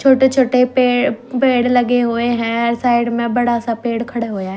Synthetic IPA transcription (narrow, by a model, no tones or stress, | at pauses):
t͡ʃʰoːʈet͡ʃʰoːʈepeːɽpeːɽlɐɡeɦueɦɛ̃ɾsaːɪɖmẽbɐɽ̤asãpeːɽkʰɐɽeɦujaːɦe